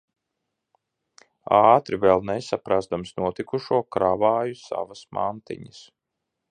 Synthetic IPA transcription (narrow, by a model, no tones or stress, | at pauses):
ɑːt̪ɾivɛlˠnɛsapɾazd̪amsnuɔt̪ikuʃuɔkɾavaːjusa̰vasma̰nt̪ḭɲəs